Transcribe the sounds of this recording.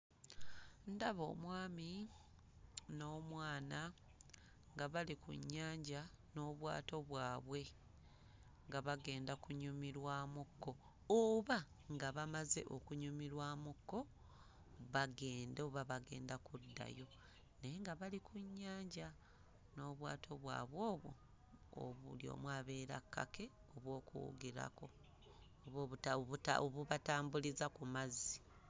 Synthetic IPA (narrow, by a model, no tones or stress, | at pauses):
ndaβo̞̰ːmwaːmi | no̞ːmwaːna | ŋɡaβalikṵɲːaːɲɟa | no̞ːβwa̰ːto̞βwaːβwe̞ | ŋɡaβaɡe̞ːndakuɲumiɾwaːmukːo̞ | oβa | ŋɡaβamaze̞̰ʔo̞kuɲumiɾwaːmukːo̞ | βaɡe̞ːndoβaβaɡe̞ːndakudːa̰jo̞ | neŋɡaβalikʰuɲːaːɲɟa | no̞βwaːtʰo̞βwa̰ːβwoːβo̰ | o̰βuljo̰ːmwaːβe̞ːɾa̰kʰːa̰ke̞ | oβwo̞ːkṵɡiɾa̰ko̞ | oβoβutaβuta̰oβuβataːmbulizakumazi̥